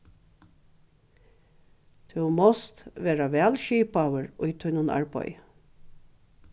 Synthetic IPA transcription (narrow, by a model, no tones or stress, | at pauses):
t̪ʰʉmɔst̪ʋeːɾaʋɛːlʃiːpawəɹʊjt̪ʰʊjnʊna̰ɹbɔ̰j